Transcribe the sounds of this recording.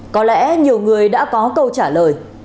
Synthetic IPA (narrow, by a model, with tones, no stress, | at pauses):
kɔ˨˦lɛ̰˧˥ɲi˨˩əwŋɨ˨˩əjɗa̰ː˧˥kɔ˨˦kə˧wt͡ɕaː˧˩ləː˨˩j